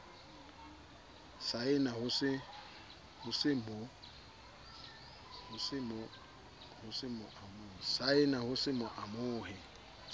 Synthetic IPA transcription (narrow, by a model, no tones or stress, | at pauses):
saɪnahʊsɪ | hʊsɪmʊ | hʊsɪmʊ | hʊsɪmʊʔamʊːsaɪnahʊsɪmʊʔamʊːhɪ